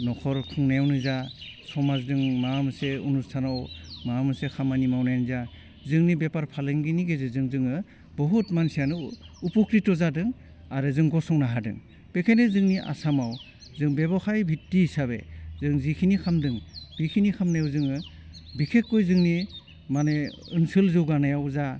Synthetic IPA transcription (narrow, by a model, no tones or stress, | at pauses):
nɔkʰɔɾkʰɯŋnajawnɯzasɔmazdɯŋmamseṵnustʰanawmamɯsekʰamanimawnajnza | zɯŋnibepaɾpʰaleŋɡiniɡezezɯŋzɯŋɯ | bɔɦutmansijanɯupukɾitɔzadɯŋ | aɾɯzɯŋɡɔsɔŋnaɦadɯ̰ŋ | pekʰajnezɯŋniʔa̰samaw | zɯŋbebɔkʰajbʱitːisabḛzɯŋzikʰinikʰamdɯŋb̥ikʰinikʰamnajawzɯŋɯ | bikʰekːɔjzɯŋni | mane | ɯnsɯlzɯwɡanajawza